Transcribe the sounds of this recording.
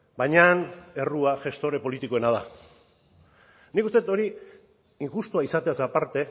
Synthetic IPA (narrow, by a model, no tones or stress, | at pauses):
bajɲane̞ruaʝe̞st̪o̞ɾe̞po̞lit̪iko̞e̞nað̞a̰ | nikust̪et̪o̞ɾi | iŋxust̪uaisat̪easapaɾt̪e̞